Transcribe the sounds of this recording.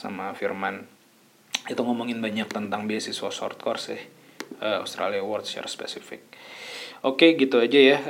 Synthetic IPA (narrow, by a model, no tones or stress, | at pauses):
sa̰mafirman | it̪uŋomoŋɪnbaɲak̚t̪ənt̪aŋbiasisuasɔ̰rt̪̚kɔrsɪ̰h | əa̰wst̪ɾa̰liawɔrt̪̚ʃɛ̰rspɛ̰sifɪ̰k̚ | okeɡit̪uad͡ʒaja